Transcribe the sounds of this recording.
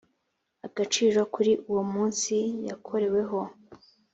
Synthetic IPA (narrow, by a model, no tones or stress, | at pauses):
aɡ̥at͡ʃiːɾokuɾiʔuwomuːnsijakʰo̞ɾe̞we̞ɦo̞